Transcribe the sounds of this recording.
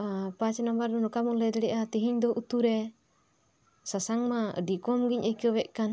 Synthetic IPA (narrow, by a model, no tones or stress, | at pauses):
apat͡ʃɛnambaɾdɔnɔkamɔlɛd̪ɛɽɛʔat̪iɦiɲd̪ɔʔut̪uɾɛ | sasaŋmaə̰dikɔmɡiɲʔəkɔwɛʔkan